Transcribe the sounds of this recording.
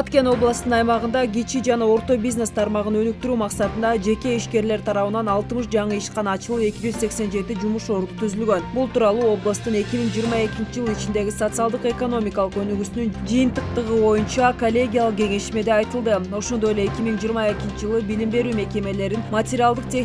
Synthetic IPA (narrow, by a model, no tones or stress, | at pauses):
bɑt̪ke̞no̞blˠast̪ɯnɑjmɑʁɯnd̪ɑɡʲit͡ʃid͡ʒɑnɑo̞ɾt̪o̞bʲizne̞st̪ʰɑɾmɑʁɯnø̞nyk̚t̪yɾyːmɑqsɑt̪ɯnd̪ɑd͡ʒe̞ke̞iʃke̞ɾle̞ɾt̪ʰɑɾɑβɯnɑnɑlˠt̪ɯmɯʃd͡ʒɑɴɯiʃqɑnɑːt͡ʃɯlˠɯe̞kʲid͡ʒyzse̞kse̞nd͡ʒe̞t̪id͡ʒumuʃo̞ɾd̪ut̪ʰyzylɡø̞nbulˠt̪uːɾɑlˠuːo̞blˠast̪ɯne̞kʲimiŋd͡ʒijːɾmɑe̞kʲint͡ʃid͡ʒɯlˠit͡ʃind̪e̞ɡʲisot̪sɨalˠd̪ɯqe̞ko̞no̞mʲikɑlˠɯqø̞nyɡysynynd͡ʒɯjɯnt̪ɯq̚t̪ɯʁɯβo̞junt͡ʃɑkolʲːe̞ɡʲijalˠəq̚ɡʲe̞ŋe̞ʃime̞d̪eɑjt̪ɯlˠd̪ɯo̞ʃo̞nd̪o̞jeleekʲimiŋd͡ʒiːɾmɑe̞kʲint͡ʃid͡ʒɯlˠɯbilimbe̞ɾyːme̞ke̞me̞le̞ɾinmat̪ʲeɾʲialˠd̪ɯq̚t̪ʲʰe